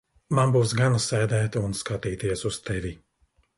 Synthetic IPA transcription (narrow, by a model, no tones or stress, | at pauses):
manbuːsɡanasɛːd̪ɛːt̪unskat̪iːt̪iɛsust̪ʰɛvʲi